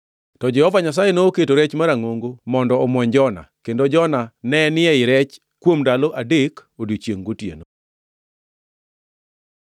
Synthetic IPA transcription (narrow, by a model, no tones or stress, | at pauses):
tɔd͡ʒɛhɔvaɲasajenoːketoɾet͡ʃmaɾaŋoŋɡomɔndɔːmwɔɲd͡ʒɔna̰kendod͡ʒɔnanɛnɪɛɪɾɛt͡ʃ | kwomdaloʔadekodit͡ʃjeŋɡotjḛno